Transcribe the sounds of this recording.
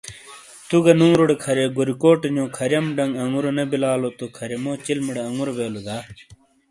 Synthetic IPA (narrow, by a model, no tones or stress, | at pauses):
t̪uɡɐnũːɾoɽekʰɐɾeɡuɾikoːʈeɲõːkʰɐɾjɐmɖɐŋɡɐŋɡuɾonɐbilaːlot̪okʰɐɾemoːt͡ɕilmiɽeɐŋɡuɾobeːlud̪aː